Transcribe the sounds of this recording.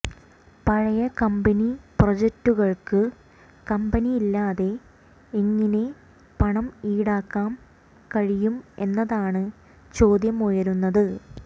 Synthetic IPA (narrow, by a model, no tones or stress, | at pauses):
pɐɻɐjɐkɐmbɐniprod͡ʑetːuɣɐɭkɨ | kɐmbɐnijilːaːðe̞ː | ŋːɐne̞ | pɐɳɐmiːɽaːkːaːm | kɐɻijume̞nːɐðaːɳɨ | t͡ɕo̞ːd̪jɐmojɐɾunːɐðɨ